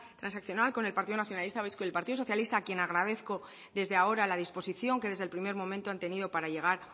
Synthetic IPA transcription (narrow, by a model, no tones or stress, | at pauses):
t̪ɾansakθjo̞nalko̞ne̞lpaɾt̪iðonaθjonalist̪aβjskoelpaɾt̪iðoo̞θjalist̪aːkjenaɣɾaðe̞θko̞ | ðe̞zðe̞ao̞ɾalað̞ispo̞siθjo̞ŋke̞ðe̞zðelpɾime̞ɾmo̞mẽnt̪oant̪e̞nið̞o̞paɾaʝe̞ɣ̞aɾ